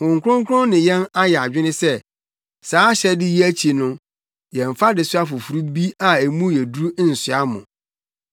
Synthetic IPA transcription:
ʊ̃˨ŋ˨kʰʷʊ˦ʊ̃˦ŋ˦kʰʊ˦ɾʊ̃˦nɪ̃˨jɛ̃˦na˦jɛ˨a˨d͡ʑᶣɪ˦nɪ̃˦sɛ˦ | saː˨˦ɕɛ˦dɪ˦ji˦æ˦t͡ɕʰi˨nʊ̃˦ | jɛ̃˨ɱ̩˨fa˦dɪ˨sʊ˦a˦fʊ˨fu˨ɾu˦bi˦a˨e˨mũ˦jɛ˨du˦u˦n̩˨sʊ˨a˦mʊ̰̃˨

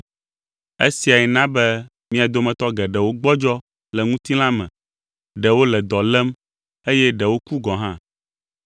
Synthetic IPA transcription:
ḛ˦si˨a˨jɛ˨nã˦bɛ˦ | mĩ˦a˨d̪o˦mɛ̃˨t̪ɔ˦ɡɛ˨ɖɛ˨wo˦ɡ͡bɔ˦d͡ʒɔ˦ | lɛ˨ŋũ˦t̪i˦l̃ã˦mɛ̰̃˨ | ɖɛ˨wo˦lɛ˨d̪ɔ˨lɛ˦m | e˦jɛ˦ɖɛ˨wo˦ku˦ɡɔ̃˨ɦã˦

